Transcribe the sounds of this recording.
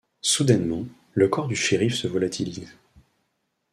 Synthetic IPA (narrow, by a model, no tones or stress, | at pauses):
sud̪ɛnmɑ̃ | ləkɔʁd̪yʃiʁifsəvɔlat̪ʰiliz